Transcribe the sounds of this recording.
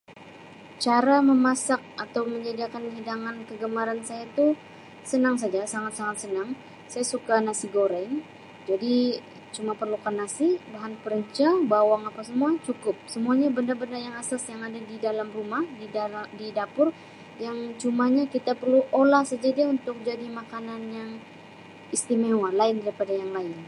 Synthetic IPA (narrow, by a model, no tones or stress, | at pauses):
t͡ʃaɾaməmasak̚at̪awməɲd͡ʒadiakanɦidaŋankəɡəmaɾansajait̪u | sənaŋs̬ad͡ʒasaŋat̪saŋat̪̚sənaŋ | sajasukanasiɡoɾɛŋ | d͡ʒadi | t͡ʃumapərlukanːasibaɦanpəɾəɲt͡ʃabawaŋapasəmuat͡ʃukʊp̚səmuaɲabəndarbəndarjaŋasasjaŋadadidalamrumahdididapʊr | jaŋt͡ʃumaɲakit̪apərluʔolahsəd͡ʒadiaunt̪ʊk̚d͡ʒadimakananjaŋ | ist̪imewalaɪndaɾipadajaŋlaɪn